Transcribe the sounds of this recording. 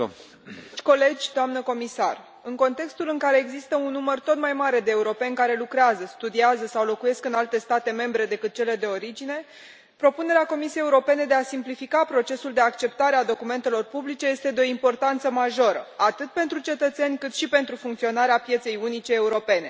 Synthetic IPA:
ko̞le̞d͡ʒʲd̪oamnəko̞misa̰r | ɨŋko̞nt̪e̞kst̪ulɨŋkaɾe̞ːɡzist̪əunːumərt̪o̞t̪majmaɾe̞d̪e̞ːuɾo̞pe̞nʲkaɾe̞lukɾeazəst̪ud̪iazəsawlo̞kuje̞skɨnalt̪e̞st̪at̪e̞me̞mbɾe̞d̪e̞kɨt̪̚t͡ʃe̞le̞d̪e̞o̞ɾid͡ʒine̞ | pɾo̞pune̞ɾeako̞misiejeuɾo̞pe̞ne̞d̪e̞asimplifikapɾo̞t͡ʃe̞suld̪e̞akt͡ʃe̞p̚t̪aɾead̪o̞kume̞nt̪e̞lo̞rpublit͡ʃe̞je̞st̪e̞d̪eo̞impo̞rt̪ant̪səmaʒo̞ɾə̰at̪ɨt̪̚pe̞nt̪ɾut͡ʃe̞t̪ət̪se̞nʲkɨt̪ʃipe̞nt̪ɾufuŋkt̪sio̞naɾeapje̞t̪se̞junit͡ʃe̞ːuɾo̞pe̞ne̞

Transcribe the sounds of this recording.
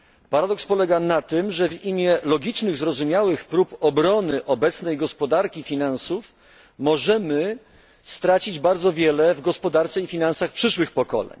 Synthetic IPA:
paɾad̪ɔkspɔlɛɡanat̪ɘmʐɛvimʲjɛlɔɡʲit͡ʂnɘɣzɾɔzumʲjawɘxpɾupɔbɾɔnɘʔɔbɛt̪snɛjɡɔspɔd̪aɾkʲifʲinansuf | mɔʐɛmɘ | st̪ɾat͡ɕid͡ʑbaɾd̪zɔvʲjɛlɛvɡɔspɔd̪aɾt̪sɛifʲinansaxpʂɘʂwɘxpɔkɔ̰lɛ̰ɲ

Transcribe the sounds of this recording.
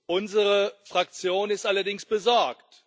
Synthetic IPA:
ʔʊnzəʁəfʁ̥ak̚t͡sjoːnɪstʔalɐdɪŋsb̥əzɔɐkt

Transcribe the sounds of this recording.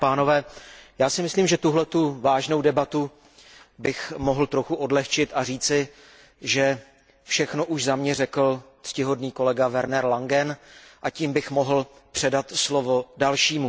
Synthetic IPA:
paːno̞vɛːjaːsɪmɪsliːmʒɛt̪uɦlɛt̪uvaːʒnowdɛbat̪u | bɪxmoɦl̩t̪ɾoxuʔo̞dlɛxt͡ʃɪt̪ʔariːt͡sɪ | ʒɛ | fʃɛxno̞ʔuʃzamɲɛrɛkl̩t̪scɪɦo̞dniːko̞lɛɡavɛɾnɛɾlaŋɡɛnʔaciːmbɪxmo̞ɦl̩pr̥ɛdat̪slovo̞dalʃiːmu

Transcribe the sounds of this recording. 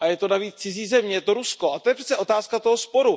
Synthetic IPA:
ajɛt̪o̞naviːt͡st͡sɪziːzɛmɲɛjɛt̪oɾusko̞ʔat̪ojɛpɾ̥ɛ̥t͡sɛʔo̞t̪aːskat̪oɦospo̞ɾu

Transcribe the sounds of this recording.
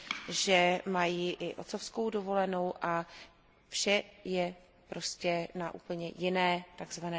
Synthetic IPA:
ʒɛmajiːʔɪʔo̞̰t̪so̞fskowdovo̞lɛno̞wʔa | fʃɛjɛ | pɾo̞scɛnaʔṵːpl̩ɲɛjɪnɛːt̪aɡzvanɛː

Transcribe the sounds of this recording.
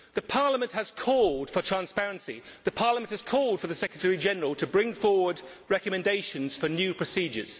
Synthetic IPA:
ðəpʰɑɹləmə̃nʔhəz̥kʰɔlˠd̥fətʰɹ̥æ̃nspæɹə̃nsiðəpʰɑɹləmə̃nhəz̥kʰɔlˠd̥fəðəsɛkɹ̥ətʰɛɹid͡ʒɛnəɹəlˠtʰəbɹɪ̃ŋfɔːwəd | ɹɛkəmɛ̃ndeɪʃə̃nz̥fənjʉːpʰɹ̥əsiːd͡ʒə̰z̥

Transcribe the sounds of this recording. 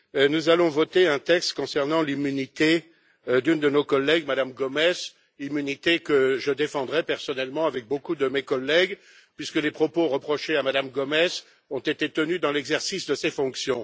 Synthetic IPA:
nuzalɔ̃vɔt̪eɛ̃t̪ɛkst̪kɔ̃sɛʁnɑ̃limynit̪e | d̪ynd̪ənokɔlːɛɡmad̪amɡɔmɛz | imynit̪ekəʒəd̪efɑ̃d̪ʁɛpɛʁsɔnɛlmɑ̃avɛk̚bokud̪əmekɔlːɛɡ | pɥiskəlepχɔpoʁəpχɔʃeamad̪amɡɔmɛz | ɔ̃t̪et̪et̪ənyd̪ɑ̃lɛɡzɛʁsisd̪əsefɔ̃ksjɔ̃

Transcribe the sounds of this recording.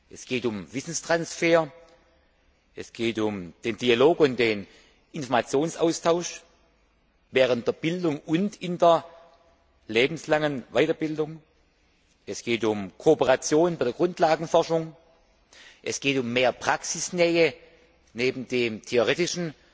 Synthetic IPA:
ʔɛsɡ̥eːtʊmvɪsn̩stʁ̥ansfeːɐ | ʔɛsɡ̥eːtʊmd̥eːnd̥ialoːkʊnt̚d̥eːn | ʔɪnfɔɐmat͡sjoːnsaʊstʰaʊʃ | vɛːʁəntd̥eːɐb̥ɪldʊŋʔʊntɪndeɐ | leːbm̩slaŋənvaɪtɐbɪldʊŋ | ʔɛsɡ̥eːtʊmkʰoopəʁat͡sjoːnnbaɪdɐɡʁʊntʰlaːɡŋ̩fɔɐʃʊŋ | ʔɛsɡ̥eːtʊmːeːɐpʁ̥aksɪsnɛːə | neːbn̩deːmtʰeoʁeːtɪʃn̩

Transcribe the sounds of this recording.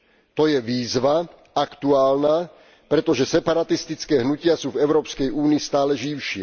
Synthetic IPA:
t̪ɔjɛʋiːzʋa | akt̪uaːlnaː | pɾɛt̪ɔʒɛsɛpaɾat̪ist̪it͡skɛːɦnucɪasuːvɛʊɾɔːpskɛjuːniist̪aːlɛʒiʊʃɪɛ

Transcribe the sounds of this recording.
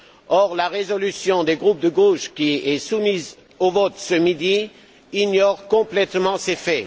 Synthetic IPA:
ɔʁlaʁezɔlysjɔ̃d̪eɡʁup̚d̪əɡoʃkʲiɛsumiz | ovɔt̪səmid̪i | iɲɔʁkɔ̃plɛt̪mɑ̃sefɛ

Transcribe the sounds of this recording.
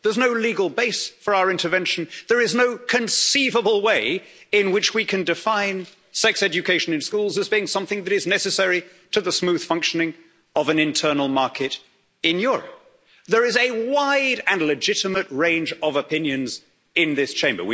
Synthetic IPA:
ðə˞znoʊliɡəl̩ˠbeɪsfə˞aʊə˞ɪ̃ntə˞vɛ̃nʃɨ̃n̩ðə˞ɨznoʊkʰɨ̃nsivəbl̩ˠweɪɪ̃nwɪt͡ʃwikʰɨ̃ndɨfãɪ̃n | sɛksɛd͡ʒɨkʰeɪʃɨ̃nɨ̃nskulˠzəzbiɪ̃ŋsʌ̃mθɪ̃ŋðɨɾɨznɛsɨsɛɹi | ɾɨðəsmʉð̥fʌ̃ŋkʃɨnɪ̃ŋ | ʌvɨ̃nɨ̃ntʰɜ˞nl̩ˠmɑɹkʰɨɾ | ɪ̃njʊɹə̰p̚ | ðə˞ɨzɨwaɪɾɨ̃nlɨd͡ʒɪɾɨmɨt̚ɹẽɪ̃nd͡ʒʌvəpʰɪ̃njɨ̃nz | ɪ̃nðɪst͡ʃʰẽɪ̃mbə̰˞wi

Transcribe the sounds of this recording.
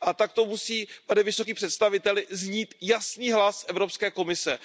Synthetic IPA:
ʔat̪ak̚t̪omusiːpadɪvɪso̞k̬iːpr̥ɛt̪st̪avɪt̪ɛlɪzɲiːt̪jasniːɦlasʔɛvɾo̞pskɛːko̞mɪsɛ

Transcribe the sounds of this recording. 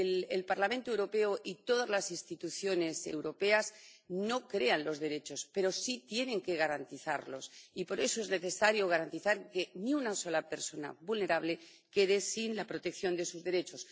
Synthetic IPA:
lelpaɾlamẽ̞nt̪oe̞wɾo̞pe̞oʔit̪o̞ðazlasinst̪it̪uθjo̞ne̞sḛwɾo̞pe̞azno̞kɾe̞anlo̞zðe̞ɾe̞t͡ʃo̞spe̞ɾosit̪je̞nẽ̞ŋke̞ɣaɾant̪iθa̰ɾlo̞sipo̞ɾe̞soezne̞θe̞saɾjo̞ɣ̞aɾant̪iθaɾke̞niunaso̞lape̞ɾso̞na̰βulne̞ɾaβle | ke̞ðesinlapɾot̪e̞kθjo̞nd̪e̞suzðe̞ɾe̞t͡ʃo̞s

